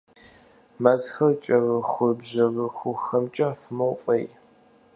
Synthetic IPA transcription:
mɐzxɐrt͡ʃʼɐʁɐxʷʊbʑɐʁɨxʷʊxɐmt͡ʃʼɐfɨmɐwfʼɐj

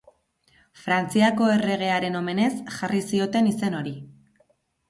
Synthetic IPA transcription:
fɾant͡siako̞e̞re̞ɣ̞e̞aɾe̞no̞me̞ne̞sʝarisio̞t̪e̞nise̞no̞ɾi

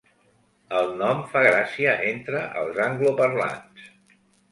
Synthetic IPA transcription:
əlˠnɔmfaɣɾasiəʔent̪ɾəʔə̰lˠzaŋɡlupəɾla̰ns

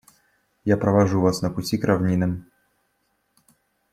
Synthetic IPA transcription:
japɾəvɐʐuvasnəpʊtʲikɾʔɐvnʲinɨm

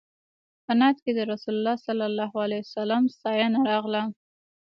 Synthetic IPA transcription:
pənat̪ked̪əɾasulʊlːɑsalːalːɑɦalajsalamst̪ɑjɑnaɾɑɣla

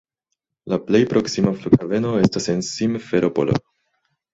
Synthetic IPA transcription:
laple̞jpɾʔo̞ksimaflukave̞no̞e̞stase̞nsimfeɾʔopo̰lo̰

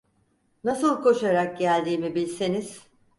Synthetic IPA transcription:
nasɯlˠkʰo̞ʃaɾak̚ɟælʲd̪iːmibilʲseniz̥

